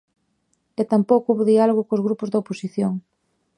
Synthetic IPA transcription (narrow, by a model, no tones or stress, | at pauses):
et̪ampowkuβoðialoɣʊkozɣɾupʊzðɐoposiθjoŋ